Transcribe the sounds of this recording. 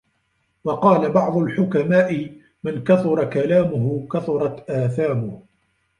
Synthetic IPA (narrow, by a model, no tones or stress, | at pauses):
wɑqɑːlabɑʕd̪ˤʊlħʊkamaːʔɪ | mankaθʊɾˤɑkalaːmʊɦʊkaθʊɾˤɑt̪ʔaːθaːmʊh